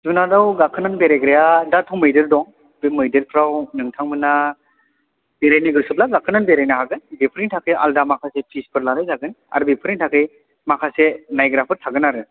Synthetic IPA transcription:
zunadawɡakʰɯnanbeɾaɡɾejadatʰɔwmɯjdɯɾdɔŋ | bemɯjdɯɾpʰɾawnɯŋtʰaŋmɯna | b̥eɾajniɡɯsɯp̚laɡakʰɯnanbeɾajnaɦaɡɯnbipʰɾiŋtʰakʰɯjʔa̰ldamakʰasepʰispʰɯɾlalɯjzaɡɯna̰ɾɯbipʰɯɾiŋtʰakʰɯj | makʰasenajɡɾapʰɯɾtʰaɡɯnaɾɯ

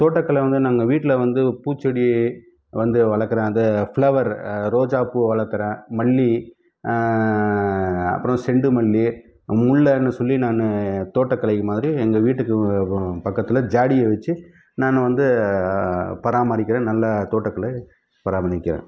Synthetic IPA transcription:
t̪oːʈːɐkːɐɭɐʋɐnd̪ɯnaːŋɡɐʋiːʈːɪlɐʋɐnd̪ɯpuːt͡ʃːɐɽi | ʋɐnd̪ɯʋɐɭɐɾkːɯɾẽːɐnd̪ɐfɭɐʋɐɾɾoːd͡ʒaːpɯʋɐɭɐɾkːɯɾẽːmɐɭːi | ɐ̰pːɯɾɐ̃sɛɳɖɯmɐɭːi | mʊɭːɐnːɯsɔlːinaːnɯt̪oːʈːɐkːɐɭɐɪkːɯmaːðɪɾiɛŋɡɐʋiːʈːɯkːɯpɐkːɐt̪ːɪlɐd͡ʒaːɽɪjɐʋɐt͡ʃːɯ | naːnɯʋɐnd̪ɯ | pɐɾaːmɐɾɪk̬ʲːɪɾẽːnɐlːɐt̪oːʈːɐkːɐɭɐ | pɐɾaːmɐɳɪkːɪɾḛ̃ː

